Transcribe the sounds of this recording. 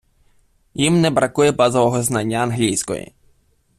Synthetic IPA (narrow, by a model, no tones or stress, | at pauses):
jimnɛbɾɐkujɛbɑzɔʋɔɦɔznɑnʲːɐːnɦlʲijsʲkɔ̰jḭ